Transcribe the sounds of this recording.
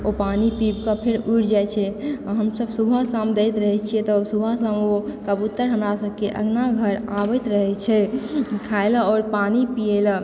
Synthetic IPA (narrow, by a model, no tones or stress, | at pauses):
opanipibkãpʰeɾuʈʰd͡ʒaet͡ʃʰɛɦəmsəbsubʱasamd̪eɪt̪ɾəɦɛt͡ʃʰiɛt̪ɔsubʱasamokəbut̪ːəɾɦəmɾasəb̚ʱkeʔə̰ɡnaɡʱəɾabət̪ɾəɦɛt͡ʃʰɛkʰaelaɔːɾpanipiela